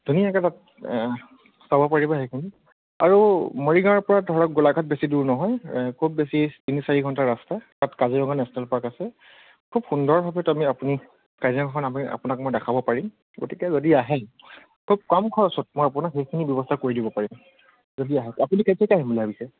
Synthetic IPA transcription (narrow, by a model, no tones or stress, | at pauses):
dʱunijaɛkatat̚ | sabɔpaɹibɔxejkʰini | a̰ɹumɔɹiɡaɔɹpɔɹadʱɔɹɔk̚ɡulakat̚besiduɹnɔɦɔjkʰub̚ːesitinisaɹiɡʱɔntaɹastatatkaziɹɔŋanɛsɔnalpɔɹakasɛ | kʰubxundɔɹbʱabɛtamiapuni | kajzaŋɡʰɔkʰɔnamia̰punak̚mojdakʰabɔpaɹim | ɡo̰tikɛzodiaɦɛ | kʰub̚kamkʰɔɹɔsɔt̚mɔjap̬unakxejkʰinibjɔbɔstʰakoɹidibɔpaɹim | zodiaɦɛapuniketʰekaɦimbulɛɦabisɛ